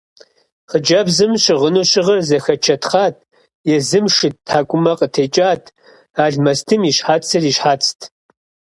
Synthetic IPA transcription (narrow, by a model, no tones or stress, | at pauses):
χəd͡ʒɐbzɨmɕɪʁənuɕʼɪʁɐrzɐxɐt͡ʃʰɐtχaːtʰ | jɛzɨmʂɨttʰaːkʷʼʊmɐqʼətʰeːt͡ʃʼaːtʰ | aːɮmɐstʰɨmiːɕħaːt͡sʰɨriːʃħaːt͡sʰʼtʰ